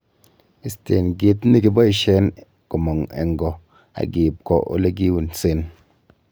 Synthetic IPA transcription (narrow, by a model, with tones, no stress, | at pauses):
i˨ste˨nɡe˨˦t̩ː˦i˦ki˦bɔ˦i˨ʃɛ˦n | ko˨mɔ˨ŋḛ˨ŋ˦ɡɔ˨ | a̰˨ɡeː˨p̚kɔ̰˦ʔo̰˦le˦ɡi˦wu˨n̩˨se˦n